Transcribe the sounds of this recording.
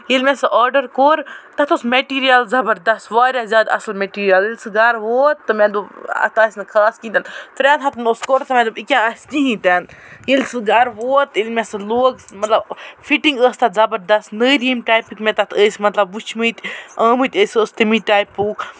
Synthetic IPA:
jilmʲɛsɨʔɔːɖəɾkoːɾt̪ɐt̪ʰosmeʈiːɾijɐlzɐbəɾd̪ɐsʋaːɾjazʲjaːd̪ɐ̰sɐlmeʈiːɾijɐlilʲsɨɡɐɾʋoːt̪ːɨmɛ̃d̪ubɐ̰t̪ʰaːsʲnkʰaːskĩːnt̪ant̪uɾʲaːt̪ɦɐt̪ʰnoskoɾt̪ɨmɛ̃d̪uikʲãɐsʲt̪iɦĩːt̪ɛːnjilsɨɡɐɾʋoːt̪ilʲmʲɛsɨloːɡmɐt̪lɐbfiʈiŋɡəːst̪ɐzɐbəɾd̪ɐsnəːɾimʈaːjpikmɛ̃t̪ɐt̪ʰəːsʲmɐt̪lɐbːut͡ʃʰmɨt̪ʲɐːmɨt̪ʲəːsʲəːst̪imiʈaːjpuk

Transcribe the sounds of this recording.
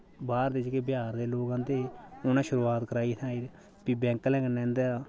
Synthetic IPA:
baːɾd̪ed͡ʒɡeːbɪjaːɾd̪eːloːɡãːd̪eːʊnãːʃʊɾuːaːt̪kəɾaːiːt̪ʰãːiːɾ | piːbɛ̃ːŋkəlɛ̃ːkənːɛ̃ːnd̪eaː

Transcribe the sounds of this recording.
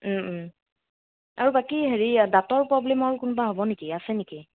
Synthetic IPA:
aɹubakiɦeɹidatɔɹpɹɔblɛmaɹukʊnbaɦobɔnekiasɛneki

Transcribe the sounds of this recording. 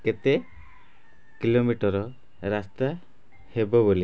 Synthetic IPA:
ket̪e | kilomiʈɔɾɔ | ɾast̪a | hebɔboli

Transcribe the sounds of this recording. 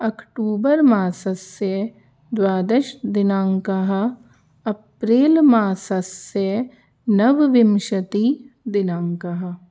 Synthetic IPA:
ɐkʈuːbəɾmaːsɐsjə | d̪waːd̪eʃd̪ɪnãːŋkaɦ | ɐpɾeːlmaːsɐsjə | nɐʋʋɪmʃɐt̪i | d̪ɪnaːŋkɐɦɐ

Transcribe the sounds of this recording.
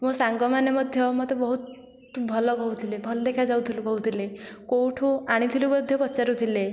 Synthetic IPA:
mɔsaŋɡɔmanemɔd̪ʱjɔmɔt̪ebɔɦut̪̚ | bʱɔlɔɡɔut̪ʰilebʱɔld̪ekʰad͡zawt̪ʰilukɔɦut̪ʰilekowʈʰuaɽ̃it̪ʰilubəd̪ʱjɔpɔt͡ʃaɾut̪ʰile

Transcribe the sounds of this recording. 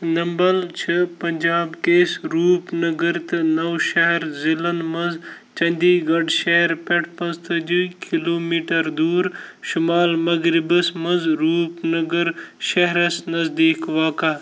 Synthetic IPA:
nɐmbɐlt͡ʃʰɐpɐɲd͡ʒaːbkeːsɾuːpnɐɡəɾt̪ɨnɐwʃɐɦɐɾzilɐnd̪mɐnz | t͡ʃɐ̃nʲd̪iːɡɐɖʃɐɦɾpɐʈʰpɐ̃nzt̪ɐd͡ʒukʰiloːmiːʈɐɾd̪uːɾʃʊmaːlmɐɡɾibəsmɐnzɾuːpnɐɡəɾʃɐɦɾɐsnɐzd̪iːkʋaːkaː

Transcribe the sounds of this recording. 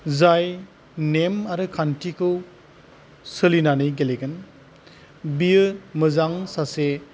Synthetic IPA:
zaj | nemaɾɯkʰantʰikʰɯw | sɯlinanɯjɡeleɡɯn | biɯmɯzaŋsase

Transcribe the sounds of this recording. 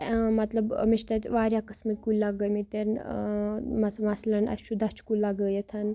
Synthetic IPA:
mɐt̪lɐbmiʃt̪ɐt̪ʲʋaːɾʲjakɐsmikulɐɡəmit̪ɐɾn | mɐmɐslɐnɐ̰t͡ʃud̪ɐt͡ʃʰkulɐɡəjɐt̪ʰɐn

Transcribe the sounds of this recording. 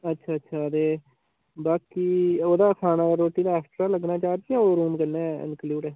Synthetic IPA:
ətːʃʰaːətːʃʰaːd̪eː | baːkiːoːd̪aːkʰaːnaːɾoːʈːiːd̪aːaːsʈɾaːləɡnaːt͡ʃaːɾd͡ʒiãːoːɾuːmkəɾnɛːɛ̰nkluːʈɛː

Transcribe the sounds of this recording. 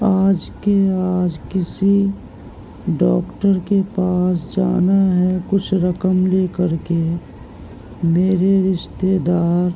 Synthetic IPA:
aːd͡ʒkeaːd͡ʒkɪsi | ɖɔːkʈəɾkepaːsd͡ʒaːnaɦɛkʊt͡ʃʰɾəkəmleːkəɾke | meːɾeɾɪʃt̪ed̪aːɾ

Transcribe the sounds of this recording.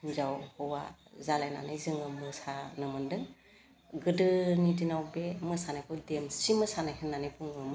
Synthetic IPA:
zawhɔwa̰zalajna̰nɯjzɯŋɯmɯsanɯmɯndɯŋ | ɡɯdɯnidinawbemɯsanajkʰɯwdemsimɯsanahʰenːanijpʰuŋɯm

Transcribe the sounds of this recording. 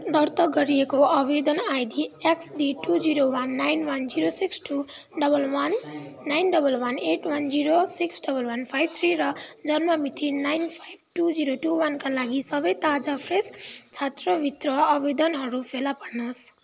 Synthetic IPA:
d̪ʌrt̪ʌɡʌɾiekoʌbed̪ʌnajɖieksɖiʈud͡ziɾowanːajnwʌnd͡ziɾosiksʈuɖʌbʌlwʌnː | ajnɖʌbʌlwʌneʈwʌnd͡ziɾosiksɖʌbʌlwanpʰajb̚t̪ʰriɾʌd͡zʌnmʌmit̪ʰinajnpʰajb̚ʱʈud͡ziɾoʈuwankalaɡisʌbʌjt̪ad͡zapʰrest͡sʰat̪rʌbʱit̪rʌʌbed̪ʌnɦʌɾupʰelapʌɾnʌs

